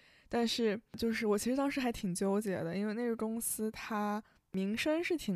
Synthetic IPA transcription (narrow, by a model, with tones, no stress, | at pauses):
t̪a˥˧nʂɻ̩˥˩t͡ɕjo˥˧ʊʂ̬ɻ̩˥˩wɔ˨˩t͡ɕʰi˧˥ʂɻ̩˧˥t̪ɑ˥ŋʂɻ̩˧˥xa˧˥ɪt̪ʰi˨˩ŋt͡ɕjo˥ʊt͡ɕjɛ̰˨˩d̪ə˦i˥nwe˥˧ne˥˧˩ɡə˥˩kʊ˥ŋsɹ̩˥t̪ʰa˥ | mi˧˥ŋʂə˥nʂɻ̩˥˩t̪ʰi˨˩